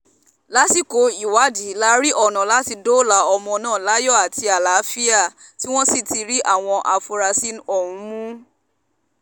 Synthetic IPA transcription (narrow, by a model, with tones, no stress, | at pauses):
la˦ti˦˨ko˨˦i˨wa˨˦di˨˦la˧˦ɾi˦ʔɔ˦˨nã˨la˨˦ti˧do˦la˨˦ɔ˧mɔ̃˧nãː˦˨la˦jɔ˦˨a˨ti˧a˨la˨˦fi˦a˦˨ | ti˦w̃ɔ̃˦si˦˨ti˧ɾi˦ʔa˦˨w̃ɔ̃˧ʔa˧fu˧ɾa˧si˦nɔ˨ũ˨˧˦mũ˦